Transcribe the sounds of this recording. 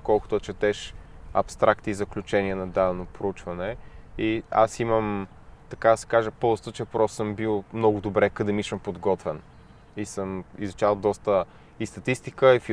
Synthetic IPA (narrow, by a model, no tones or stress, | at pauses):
kɔlˠkʊt̪ot͡ʃɛt̪ɛʃɐ̰pst̪ɾakt̪izɐklʲut͡ʃɛniənɐd̪ad̪ɛnopɾʊut͡ʃvɐnɛia̰siməm | t̪ɐkad̪ɐsɛ̥kaʒəpozt̪ot͡ʃɛpɾɔst̪sɤmbilˠmnɔɡʊd̪obɾɛkɐd̪ɛmisəmpod̪ɡɔt̪vɛn | isəmḭzut͡ʃalˠd̪ɔst̪ə | ist̪ɐt̪ist̪ikəifi